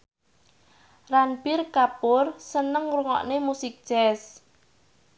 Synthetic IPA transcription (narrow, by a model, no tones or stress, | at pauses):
ranpɪrkapʊrsənəŋruŋɔ̰ʔnemusɪk̚d̥ʒ̥ɛs